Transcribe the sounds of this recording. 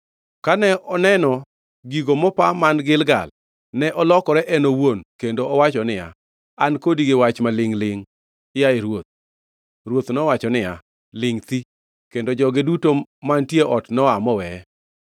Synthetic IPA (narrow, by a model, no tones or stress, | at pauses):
kanɛɔnɛnɔ | ɡiɡomɔpamanɡɪlɡa̰l | nɛʔɔlɔkɔɾɛʔɛnowonkendoɔwat͡ʃɔnɪja̰ | ankodiɡewat͡ʃmalɪŋlɪŋ | jaeɾwot̪̚ | ɾwot̪nɔwat͡ʃɔnɪja | lɪŋt̪i | kendod͡ʒɔɡedutomantjeʔɔtnɔamɔwɛ